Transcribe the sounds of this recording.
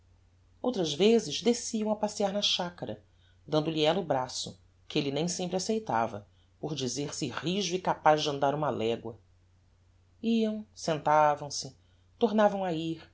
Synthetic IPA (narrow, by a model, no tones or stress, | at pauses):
owt̪ɾɐzvezɪzd̪esiɐ̃w̃ɐpasiaɾnɐʃakɐɾɐ | d̪ɐ̃nd̪ʊliɛlɐʊbɾasʊ̰ | kɪelɪnẽj̃sẽmpɾɪasejt̪a̰vɐ̰ | poɾd͡ʒizeɾsɪhiʒʊikapaʒd͡ʒɪɐ̃nd̪aɾũmɐlɛɡwɐ | iɐ̃w̃sẽnt̪avɐ̃w̃sɪ | t̪oɾnavɐ̃w̃aiɾ